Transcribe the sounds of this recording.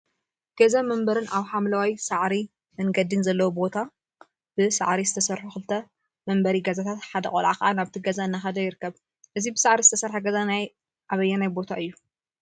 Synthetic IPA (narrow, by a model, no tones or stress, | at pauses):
ɡ̥ɐzamɐmbɐɾɨnʔaβħamlɐwajsaʕɾi | mɨnɡɐd̪inzɐlːɐwubo̞t̪ʰa | b̥ɨsa̰ʕɾizɨt̪ʰɐsɐɾħuxɨlɨt̪ʰɐ | mɐmbɐɾiɡɐzat̪ʰat̪ħad̪ɐkʼo̰lʕakɐʔanaβt̪ʰiɡɐzaɨnːaxɐd̪ɐjɪɾɨkːɐβ | ʔɨzibɨsaʕɾizɨt̪ʰɐsɐɾħaɡɐzanaj | ʔaβɐjːanajbo̞t̪ʰaʔɨjːu